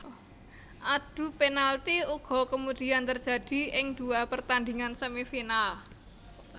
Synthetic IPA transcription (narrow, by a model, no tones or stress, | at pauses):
ʔad̪̥ṳpenalt̪iuɡ̥ɔ̤kəmud̪̥i̤ant̪ərd͡ʒ̥a̤d̥i̤ɪŋd̪̥uapərt̪and̪iŋansəmifinal